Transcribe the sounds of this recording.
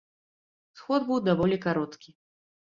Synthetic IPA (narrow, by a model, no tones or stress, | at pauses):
sxɔd̪bɨwd̪avɔlʲikaɾɔt̪kʲi